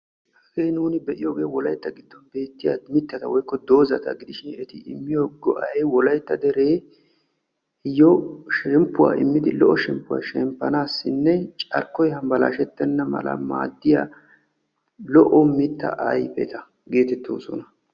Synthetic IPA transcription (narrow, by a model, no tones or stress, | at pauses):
hɐɡejnuːnɪbɛʔɪjoːɡejɔwɔlɐjt̪ːɐɡɪd̪ːɔnbe̞ːt̪ːɪja̰mɪt̪ːɐt̪ɐwɔjkːɔd̪o̞ːzɐt̪ɐ̰ɡɪd̪ɪʃɪnɛt̪ɪɪ̰mːɪjoɡɔʔɐjwɔlɐjt̪ːɐd̪ɛɾe̞ː | hɪjɔʃɛmpːʊwa̰ːɪmːɪd̪ɪlɔʔɔʃɛmpːʊwa̰ːʃɛmpːɐnaːsːɪnːɛt͡ʃʼɐɾkːɔjhɐmbɐla̰ːʃɛt̪ːɛnːɐmɐ̰lɐ̰ma̰ːd̪ːɪjaː | lɔʔɔmɪt̪ːɐ̰ʔɐjpɛ̰t̪ɐ | ɡe̞ːt̪ɛt̪ːo̰ːsɔnɐ